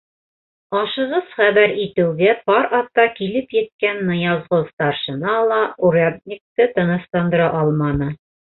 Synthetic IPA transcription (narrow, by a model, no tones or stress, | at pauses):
ɒʃɤ̆ʁɤz̥χæβæɾit̪ɘ̆wɡæpɒɾɑt̪ːɑkilɘpjɘ̆t̪̚kænːɤ̆jɑzʁɤst̪ɑɾʃɤ̆nɑlˠɑuɾad̪̚nʲik̚t̪ɤt̪ɤ̆nɤ̆slˠɑnd̪ɤ̆ɾɑʔɒlˠmɑnɤ